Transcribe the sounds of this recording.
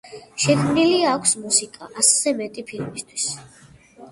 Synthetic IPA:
ʃɛkʰmniliakʷʰsmusikʼa̰ʔaszɛmɛt̪ʼipʰilmist̪ʰw̥is

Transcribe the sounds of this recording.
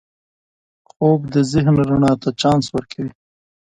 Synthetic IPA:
xoːbd̪əzɪɦnɾʊɳɑːt̪at͡ʃɑːnswəɾkʰawi

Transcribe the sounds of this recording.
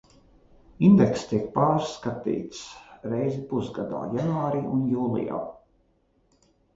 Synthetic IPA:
ind̪ɛkst̪iɛk̚paːɾskat̪ḭːt̪sɾɛjzipusɡad̪a̰ːjanuaːɾiːunjuːlˠḭja̰ː

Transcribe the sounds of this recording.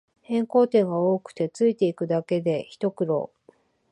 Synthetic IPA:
hẽ̞ŋko̞ːt̪ẽ̞ŋɡaoːkɯ̟̥t̪e̞t͡sɨit̪e̞ikɯ̟d̪ake̞d̪e̞çi̥t̪o̞kɯ̟ɾo̞̰ː

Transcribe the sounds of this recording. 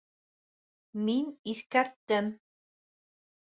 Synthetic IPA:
miniθkæɾt̪ːɘm

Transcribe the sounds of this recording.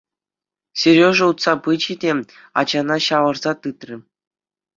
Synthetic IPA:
sʲerʲjoʐɘ̆ut̪sɑpɯd͡ʑidʲe | ɑ̰d͡ʑɑnɑɕɑʋɤ̆rz̥ɑt̪ɯt̪rʲɘ̆

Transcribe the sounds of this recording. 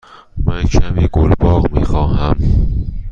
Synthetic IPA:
mæncʰæmiːɡolbɒːɣmḭːxɒːɦæm

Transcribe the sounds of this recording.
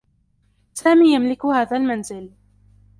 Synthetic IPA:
saːmiːjamlɪkʊhaːðaːlmanzɪl

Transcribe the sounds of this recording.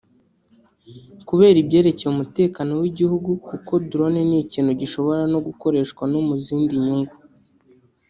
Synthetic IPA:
kuβe̞ːɾibje̞ːɾe̞ce̞jumute̞ːkano̞wiɟihuɡukuko̞duɾo̞ne̞niciːnhuɟiʃo̞βo̞ɾano̞ɡuko̞ɾe̞ːʃkwanomuziːndiɲuŋɡu

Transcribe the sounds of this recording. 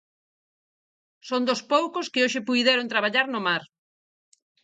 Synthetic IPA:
sond̪ospowkoskɪoʃɪpujðɛɾõnt̪ɾaβaʎaɾnomaɾ

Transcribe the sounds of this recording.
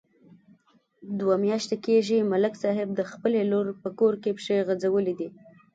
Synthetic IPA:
d̪wamjɑʃt̪ekeʒimalɪksɑɦɪb̚d̪əxpəleloɾpəkoɾkepʂeɣad͡zawəlid̪i

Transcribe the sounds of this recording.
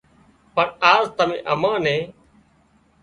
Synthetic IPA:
pəɳaːzt̪əmḛ̃ːʔəmãːnẽː

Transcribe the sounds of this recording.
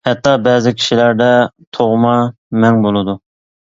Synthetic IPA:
hɛt̪ʰːɑbɛːzɪkʲʰi̥ʃilæɾd̪ɛt̪ʰoʁmɑ | mɛŋbolˠɨd̪u

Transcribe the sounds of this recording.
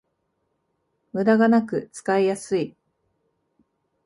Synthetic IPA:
mɯ̟d̪aɡanakɯ̟t͡sɨ̥kaijasɨi

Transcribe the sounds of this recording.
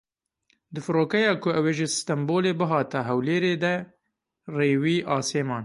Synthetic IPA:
d̪ɨfɨɾoːkɛjɑːkʰʊɛweːʒɪst̪ɐmboːleːbɨɦɑːt̪ɛɦɛwleːɾeːd̪ɛ | reːwiːʔɑːseːmɑːn

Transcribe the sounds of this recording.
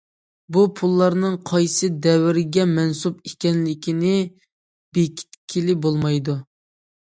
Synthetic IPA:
bupʰulˠːɑɾnɨŋqʰɑjsɨd̪ɛwɪɾɪɡʲɛmɛnsupikʲɛnlɪkʲʰinɪ | bekʲʰi̥t̪̚kʲʰilɪbolˠmɑjd̪u

